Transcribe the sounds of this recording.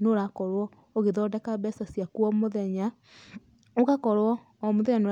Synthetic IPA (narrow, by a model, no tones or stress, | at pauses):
noɾakɔɾwɔ | oɣeðɔːdɛkaβɛsasiakwɔmoðɛɲa | oɣakɔɾwɔː | moðɛɲanoɾ